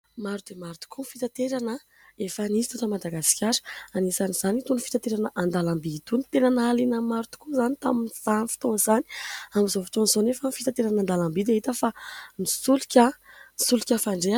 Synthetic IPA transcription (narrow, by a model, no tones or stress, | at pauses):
maɾud̪̥emaɾut̪u̥kʰunfit̪at̪eɾanə | efanizi̥t̪ot̪amad̪aɡasi̥kʲʰaɾə̥anesaniz̥anit̪unfi̥t̪at̪eɾanəʔand̪alambit̪unit̪enanalinəmaɾut̪u̥kuzanit̪aminiz̥anifi̥t̪oŋzani̥amizofi̥t̪onzonefənfit̪at̪eɾanand̪alambid̪eɦit̪əfanisulukʲəsulikʲəfaɳɖ͡ʐe